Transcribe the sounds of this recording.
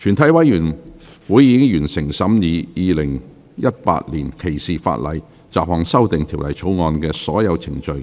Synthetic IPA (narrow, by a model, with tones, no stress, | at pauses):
t͡ʃʰyː˨˩nt̪ʰɐ˨˥jwɐ˨˥jjyː˨˩n | wuː˨˥jiː˧kɪ˥ŋjyː˨˩nsɪ˨˩ŋsɐ˨˥mjiː˨˧jiː˨˧lɪ˨˩ŋ | jɐ˥t̚pa̰ː˧t̚liː˨˩nkʰe˨˩jsiː˨fa̰ː˧t̚lɐ̰˨˧j | t͡saː˨p̚hɔː˨˩ŋsɐ˥wt̪ɪ˨ŋt̪ʰi˨˩wlɐ˨˩jt͡sʰo˨˥wŋɔː˧nkɛː˧sɔː˨˥jɐ˨˧wt͡sʰɪ˨˩ŋt͡ʃɵ˧ɥ